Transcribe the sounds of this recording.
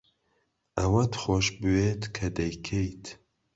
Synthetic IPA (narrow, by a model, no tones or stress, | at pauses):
ʔɐwɐt̪χoʃbɨweːt̪kʰɐd̪ɐjkʰejt̪ʰ